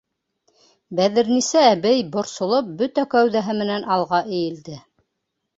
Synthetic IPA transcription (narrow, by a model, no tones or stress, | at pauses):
bæðɘ̆ɾnisæːbæjbŏɾsŏlˠop̚bɵt̪ækæwðæɦɘmɘ̆nænʔɑlˠʁɑʔɘ̆jɘ̆ld̪ɘ